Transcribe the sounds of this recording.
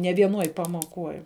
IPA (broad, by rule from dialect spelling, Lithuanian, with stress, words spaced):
nʲɛ ʋʲiɛˈnuɔj pɐmuɔˈkuɔj